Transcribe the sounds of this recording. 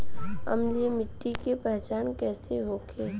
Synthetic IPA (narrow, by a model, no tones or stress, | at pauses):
ɐ̰mlemɪʈːikepɛɦt͡ʃaːnkɛːseɦoːkʰeː